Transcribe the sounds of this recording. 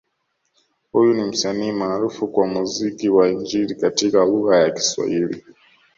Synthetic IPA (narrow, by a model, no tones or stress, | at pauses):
hujunim̩saniːmaːɾufukwamuzikiwaiɲd͡ʒilikatikaluɣajaki̥swa̰hilḭ